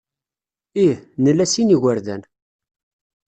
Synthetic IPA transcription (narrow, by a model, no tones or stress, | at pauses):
ihnəlːæsiniɣəɾðæ̰n